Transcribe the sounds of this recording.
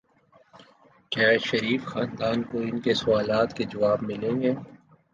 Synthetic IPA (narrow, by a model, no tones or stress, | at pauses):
kjaːʃɐɾiːfxaːnd̪aːnkoɪnkesʊaːlaːt̪ked͡ʒɐʋaːbmɪlẽɡeː